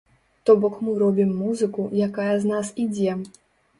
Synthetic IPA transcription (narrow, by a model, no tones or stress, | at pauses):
t̪ɔbɔkmɨɾɔbʲimːuzɨkujakajɐznasid͡zʲɛ